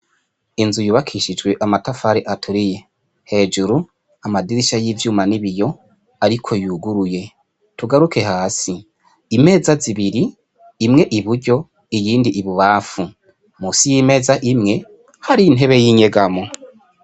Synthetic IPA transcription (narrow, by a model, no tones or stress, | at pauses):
inzujuːβakʰiʃid͡ʒɡweʔamatafaɾeʔatʰuɾije̞ | he̞ːd͡ʒuɾu | amadiɾiʃajiːvjuːmaniβijo̞ | aɾikʰo̞juːɡuɾuje̞ | tuɡaɾuke̞ɦaːsi | ime̞ːzaziβiɾiː | mŋe̞ʔiβuɾɟo̞ | ijiːndiʔiβuβaːfu | muːsijiːme̞zaʔimŋe̞ | haɾiːn̥ɦe̞βe̞jiːɲe̞ɡamo